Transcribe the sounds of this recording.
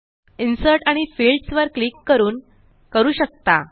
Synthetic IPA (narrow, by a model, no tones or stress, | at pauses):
insəɾʈaɽ̃ifilɖsʋəɾkliːkːəɾuːn | kəɾuːɕək̚t̪a